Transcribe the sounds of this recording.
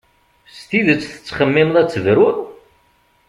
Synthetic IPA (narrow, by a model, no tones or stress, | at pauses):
st̪iðət͡sːθə̥t͡sːχəmːɪmðæt͡sːəvɾʊɾ